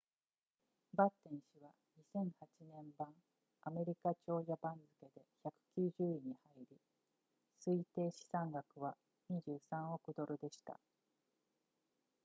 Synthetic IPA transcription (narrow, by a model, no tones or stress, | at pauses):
bat̪ːẽ̞ɰ̃ɕiβa | ɲisẽ̞ɰ̃hat͡ɕinẽ̞mbãŋ | ame̞ɾʲikat͡ɕo̞ːjabãnd͡zɨke̞d̪e̞çakɯ̟̥kʲɨːʑɨːiɲ̟ihaiɾʲi | sɨit̪e̞ːɕi̥sãŋɡakɯ̟βa | ɲ̟iʑɨːsãɰ̃o̞kɯ̟d̪o̞ɾɯ̟d̪e̞ɕi̥t̪a̰